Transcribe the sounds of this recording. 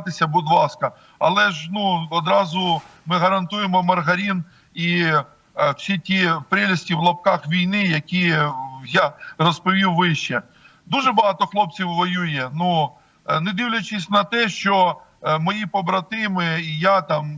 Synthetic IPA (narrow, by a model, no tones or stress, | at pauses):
t̪ɪsʲɐbʊd̪lˠɑskɐ | ɐlˠɛʒnuɔd̪ɾɑzʊmɪɦɐɾɐnt̪ujemɔmɐrɦɐɾʲin | i | w̥sʲitʲipɾɛlʲɐsʲtʲiwlˠɔp̚kɑxʋʲijnɪjɐkʲijarɔspɔʋʲiwʋɪʃt͡ʃɛ | d̪uʒɛbɐɦɑt̪ɔxlˠɔp̚t͡sʲiwʋɔjujɛnu | ned̪ɪwlʲɐt͡ʃɪsʲnɐt̪ɛʃt͡ʃɔ | mɔjipɔbɾɐt̪ɪmɪjat̪ɑm